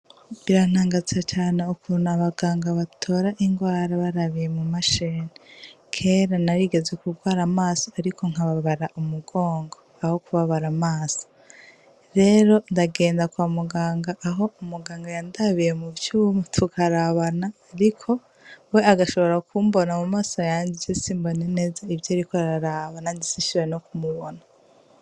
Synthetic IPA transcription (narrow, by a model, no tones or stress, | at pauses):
βiɾan̥aːŋɡat͡sat͡ʃaːne̞ukunaβaɡaːŋɡaβatʰo̞ɾaʔiŋɡwaːɾaβaɾaβije̞mumaʃeni | kʰe̞ɾanaɾiɡe̞zekuɡwaːɾamaːsoaɾikʰo̞ŋ̥aβaβaɾaʔumuɡo̞ːŋɡo | aho̞kuβaβaɾamaːso̥ | ɾe̞ɾo̞ndaɡe̞ːndakwamuɡaːŋɡaʔːɦo̞umuɡaːŋɡajandaβijemuβt͡ʃumutʰukʰaɾaβanaːɾikʰo̞ | we̞aɡaʃoβo̞ɾakuːmbo̞namumaːso̞jaːɲɟizesiːmbonene̞ːzaivjoɾikoaɾaɾaβanandisiʃiwenokumuβona